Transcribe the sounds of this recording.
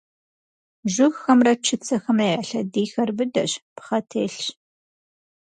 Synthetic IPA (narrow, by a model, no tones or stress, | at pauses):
ʒʷʊxxɐmrɐt͡ʃʰɨt͡sʰɐxɐmɐːʕɐɬɐdiːxɐrbɨdɐɕpχɐtʰeːɬɕ